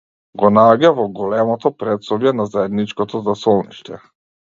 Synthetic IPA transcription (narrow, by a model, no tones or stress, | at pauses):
ɡɔnaɟavɔɡɔlɛmɔt̪ɔpɾɛt̪sɔbjɛnazaɛd̪nit͡ʃkɔt̪ɔzasɔlˠniʃt̪ɛ